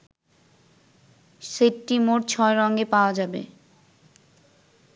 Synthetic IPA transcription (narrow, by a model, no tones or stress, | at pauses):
ʃeʈːimoʈ̚t͡ɕʰɔeɾɔŋɡepaoad͡ʑabḛ